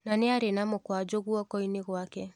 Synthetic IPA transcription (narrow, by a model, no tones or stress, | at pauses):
naneaɾenamokwad͡ʒoɣuɔkɔineɣwakɛ